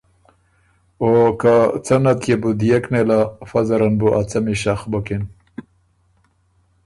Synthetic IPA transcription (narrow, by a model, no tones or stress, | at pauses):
okat͡sanat̪ʰjebud̪ijeknelafazaɾanbuʔat͡samiʃaxbokin